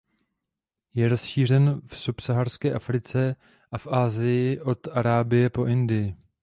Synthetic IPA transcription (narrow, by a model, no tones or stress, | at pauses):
jɛɾo̞sʃiːr̝ɛnfsupsaɦarskɛːʔafɾɪt͡sɛ | ʔafʔaːzɪjɪʔo̞t̪ʔaɾaːbɪjɛpo̞ʔɪndɪjɪ